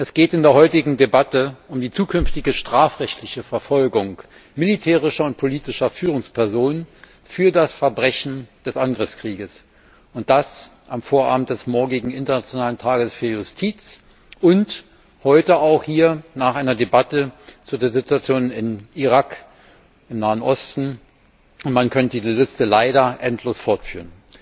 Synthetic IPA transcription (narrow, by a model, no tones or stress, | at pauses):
ʔɛsɡ̥eːtɪndeːɐɦɔʏtɪɡŋ̩debatəʊmdiːt͡suːkʰʏnftɪɡəʃtʁ̥aːfʁɛçtlɪçəfɛɐfɔlɡʊŋk | mɪlitʰɛːʁ̞ɪʃɐʊnt̚pʰoliːtɪʃɐfyːʁʊŋspʰɛɐzoːnən | fyːɐdasfɛɐbʁɛçn̩d̥ɛsʔanɡʁɪfskʁ̥iːɡəs | ʊnt̚d̥asʔamfoːɐʔa̰ːbm̩td̥ɛsmɔɐɡɪɡŋ̩ɪntɐnat͡sjonaːləntʰaːɡəsfyːɐjʊstʰiːt͡s | ʔʊnt | hɔʏtəaʊχhiːɐnaːχʔaɪnɐdebatət͡suːɐdezɪtuat͡sjoːnnɪniʁak | ʔɪmnaːənʔɔstn̩ | ʊntmankʰœntədiːzəlɪstəlaɪɾɐʔɛntʰloːsfɔɐtfy̰ːʁən